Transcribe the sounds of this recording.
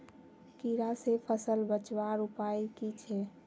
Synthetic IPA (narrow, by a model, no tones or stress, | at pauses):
kiɾasepʰəsəlbət͡ʃwaɾupaikit͡ʃʰɛ